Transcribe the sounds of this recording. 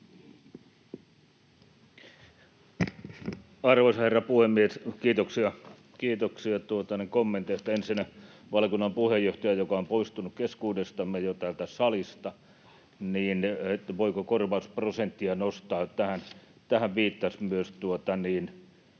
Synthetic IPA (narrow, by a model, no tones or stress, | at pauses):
ɑrʋoisɑherːɑpuhemːieskiːt̪oksiɑ | kiːt̪oksiɑt̪uot̪ɑnekomːent̪eest̪ːæensinæ | ʋɑlkunːɑmpuhejːoht̪ɑjæjokɑompoist̪unukkeskuːdest̪ɑmːejot̪æːlt̪æsɑlist̪ɑ | niːnet̪ːæʋoikokorʋɑusprosent̪ːiɑnost̪ɑːt̪æhæn | t̪æhæʋʋiːt̪ːɑsmyøst̪uot̪ɑniːn